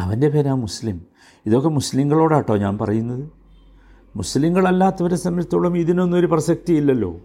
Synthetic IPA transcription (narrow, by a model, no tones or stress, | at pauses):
ɐʋɐnde̞penaːmuslim | iðo̞kːe̞musliŋɡɐɭo̞ːɽaːʈːoːɲaːnpɐrɐjunːɐðɨ | musliŋɡɐɭɐlːaːt̪ːɐʋɐɾesɐmɾɐt̪ːoɭɐmiðino̞nːuoɾuprɐɕɐk̚t̪ijilːɐlːo̞̰ː